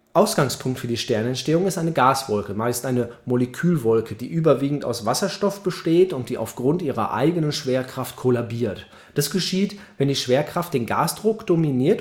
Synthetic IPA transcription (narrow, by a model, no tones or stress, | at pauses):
ʔaʊsɡ̥aŋspʰʊŋktfyːɐdiːʃtɛɐnɛntʃteːʊŋɪstʔaɪnəɡaːsv̥ɔlkəmaɪstʔaɪnəmoləkʰyːlvɔlkʰədiːʔyːbɐviːɡŋ̩ta̰ʊsv̥asɐʃtɔfb̥əʃteːtʊnt̚d̥iːʔa̰ʊfɡ̥ʁʊntʔiːʁɐ̰ʔa̰ɪɡənənʃv̥eːɐkʁ̥aftkʰolabiːɐt | d̥asɡ̥əʃiːtvɛndiːʃv̥eːɐkʁ̥aftd̥eːnɡa̰ːsd̥ʁʊkd̥ominiːɐt